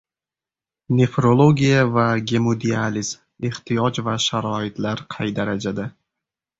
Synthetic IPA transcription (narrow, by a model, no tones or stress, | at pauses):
nʲe̞fɾo̞lˠo̞ɡʲijavaɡʲe̞mod̪ializm | eht̪ʰijɒd͡ʒvaʃaɾɒɪt̪laɾqʰɑjd̪aɾad͡ʒad̪a